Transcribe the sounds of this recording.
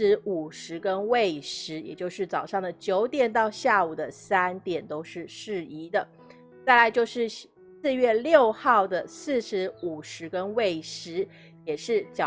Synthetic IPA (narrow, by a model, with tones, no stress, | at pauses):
ɻ̩˧˥u˨˩ʂɻ̩˧˥kə˦˥nwe˥˩ɪʂɻ̩˧˥jɛ̰˨˩t͡ɕjo˥˧ʊʂɻ̩˥˩t͡sɑ˨˩ʊʂɑ˥˩ŋd̪ə˩t͡ɕjo˧˥ʊt̪jɛ˨˩nt̪ɑ˥˧ʊɕja˥˩u˨˩d̪ə˦sa˥nt̪jɛ˨˩nt̪o˥ʊʂɻ̩˥˧ʂɻ̩˥˩i˧˥d̪ə˨ | t͡sa˥˩ɪla˧˥ɪt͡ɕjo˥˧ʊʂɻ̩˥˧ | sɹ̩˥˧ɥɛ˥˧ljo˥˧ʊxɑ˥˩ʊd̪ə˩sɹ̩˥˩ʂɻ̩˧˥u˨˩ʂɻ̩˧˥kə˥nwe˥˩ɪʂɻ̩˧˥ | jɛ˨˩ʂɻ̩˥˩t͡ɕɑ˨